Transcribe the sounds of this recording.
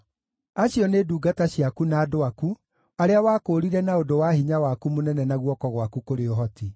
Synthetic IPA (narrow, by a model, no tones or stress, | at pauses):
aɕjɔneːduːɡataɕjakunaːdoaku | aɾeawaːkoːɾiɾɛnaodowahiɲawakumonɛnɛnaɣwɔkɔɣwakukoɾeoɦɔti